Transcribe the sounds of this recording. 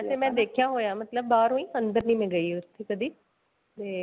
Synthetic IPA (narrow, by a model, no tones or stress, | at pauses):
seːmɛ̃ːd̪eːkʰjaːɦoːjaːmət̪ləbːaːɾõːĩːənd̪əɾnĩːmẽːɡəiːʊt̪ʰːeːkəd̪iː | t̪eː